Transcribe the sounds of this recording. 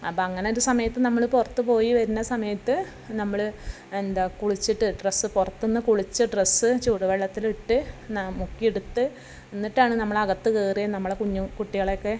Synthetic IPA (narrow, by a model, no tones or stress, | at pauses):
ɐpːoːɐŋːɐne̞o̞ɾusɐmɐjɐt̪ːɨnɐmːɐɭpurɐt̪ːupo̞ːjiʋɐɾunːɐsɐmɐjɐt̪ːɨ | nɐmːɐɭ | end̪akuɭit͡ɕːiʈːɨɖresːɨpurɐt̪ːunːɨkuɭit͡ɕːɨɖresɨt͡ɕuːɽɐʋɐɭːɐt̪ːiliʈːɨnamukːieɽut̪ːɨ | enːiʈːaːɳɨnɐmːɐɭɐɣɐt̪ːɨkeːrijɐnɐmːɐɭekuɲːukuʈːiɣɐɭo̞kːe̞